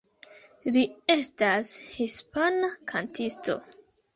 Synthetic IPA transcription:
lie̞stashispanakʰantʰisto̞̰

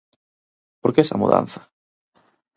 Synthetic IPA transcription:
poɾkeesa̰muða̰nθḁ

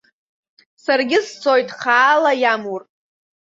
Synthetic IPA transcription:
sarɡʲɪst͡sʰʼo̞jtʼχaːlajamur

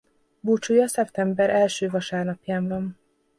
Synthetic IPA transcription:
buːt͡ʃujɒsɛpt̪ɛmbɛɾʔɛlʃøːvɒʃaːrnɒpjaːɱvɒn

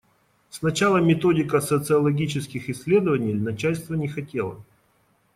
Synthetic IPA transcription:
snɐt͡ɕalˠəmʲɪt̪o̞dʲɪkəsət̪sɨɐlˠɐɡʲit͡ɕɪskʲɪxɪsʲːlʲe̞d̪əvənʲɪjnɐt͡ɕælʲst̪vənʲɪxɐtʲelˠə̰

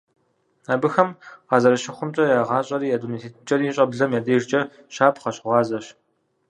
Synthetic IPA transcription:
abɨxɐmqɑːzɐɾɐʃɪχʷʊmt͡ʃʼɐjaːʁɑːɕʼɐɾiːadunit̪ʰeːtʰt͡ʃʼɐriːɕʼɐbɮɐmjaːdɐːrt͡ʃʼɐ | ɕaːpʰqɐɕʊʁɑːzɐɕ

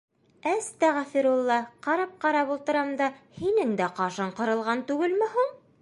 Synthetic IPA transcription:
æst̪æʁfiɾulˠːɑqɑɾɑp̚qɑɾɑpulˠt̪ɤ̆ɾɑmd̪ɑhinɘŋd̪æqɑʃɑɴqɤ̆ɾɤ̆lˠʁɑnt̪ʉɡɘlmɘ̆ɦuɴ

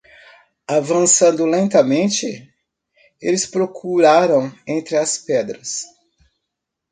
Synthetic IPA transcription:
avɐ̃sɐ̃nd̪ʊlẽnt̪ɐmẽnt͡ʃɪ | elɪspɾokʰuɾaɾɐ̃w̃ẽnt̪ɾɪɐspɛd̪ɾɐs

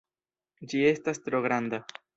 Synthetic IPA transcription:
d͡ʒie̞stastɾo̞ɡɾand̪a

